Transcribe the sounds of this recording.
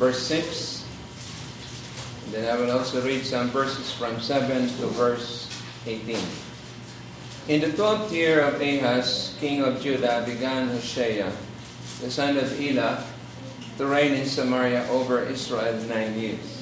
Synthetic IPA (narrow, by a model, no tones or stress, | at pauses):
vɛɹsɪks | nd̪ɛ̃najwɪlɔlsoɹid̪sʌ̃mvɛɹsɛsfɹɔ̃msɛvɛ̃nt̪uvɛɹs | ʔeɪt̪ĩn | ʔɪ̃nd̪ət̪wɛ̃nt̪jɪɹɔveɦaskɪ̃ŋɔvd͡ʒud̪abɪɡãnhoʃɛja | d̪əsãnɔvila | t̪ʊɹẽɪ̃nɪ̃nsamaɹjaʔovəɹʔɪsɹaɛlnãɪ̃njɪɹs